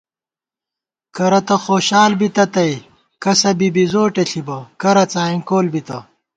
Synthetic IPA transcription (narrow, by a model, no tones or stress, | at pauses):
kɐɾɐt̪ɐxoːɕaːlbit̪ɐt̪ɐj | kɐsɐbibizoːʈeɬʰibɐkɐɾɐt͡saːiŋkoːlbit̪ɐ